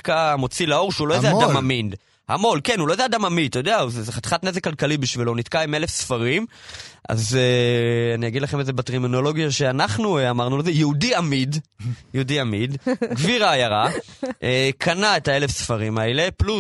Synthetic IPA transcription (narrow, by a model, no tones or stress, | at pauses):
kamo̞t͡silao̞ʁʃeulo̞jodeadamamind̪ | ha̰mo̞lkenhulojdead̪amamidt̪ajod̪eauzzeχat̪χat̪ne̞zekːalkalibiʃvilonit̪kaime̞le̞fsfaʁim | ʔa̰zeanijaɡid̪laχemezebatʁimino̞lo̞ɡjaʃe̞anaχnueamaʁnulezejeudiamid̪jeudiamid̪ɡviʁaːjaʁaʔekʰanaetae̞le̞fsfaʁimaele̞plu